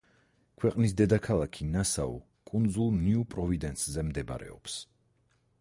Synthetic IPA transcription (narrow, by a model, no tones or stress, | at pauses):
kʰwɛqʼnisd̪ɛd̪akʰalˠakʰinasaɔ̰ | kʼund̪zulˠniupʼɾɔvid̪ɛnszɛmd̪ɛba̰ɾɛ̰ɔ̰ps